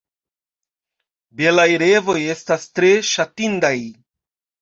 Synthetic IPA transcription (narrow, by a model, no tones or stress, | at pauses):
be̞lajɾevo̞je̞stastɾe̞ʃatindaj